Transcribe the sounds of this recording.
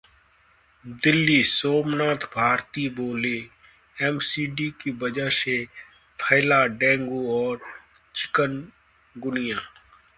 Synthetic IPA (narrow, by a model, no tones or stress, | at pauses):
d̪ɪlːisoːmnaːt̪ʰbʱaːɾt̪iboːle | ɛmsiːɖiːkibɐd͡ʒəʃe | pʰəɪlaːɖɛ̃ːŋɡuɔːɾ | t͡ʃʰɪ̥kən | ɡʊnɪjaː